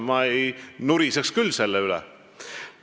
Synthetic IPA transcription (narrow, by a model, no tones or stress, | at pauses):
mɑejnuɾisekskylːse̞lːɛylɛ̰